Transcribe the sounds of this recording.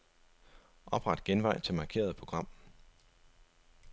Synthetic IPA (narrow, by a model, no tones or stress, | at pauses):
ʔɒ̽b̥ʁɑ̈d̥ɡ̥enʋɑ̈ɪ̰t͡sʰe̝lmɑ̈ːkʰe̝̰ːɐð̞ˠpʰʁo̝ɡ̥ʁɑ̈m̰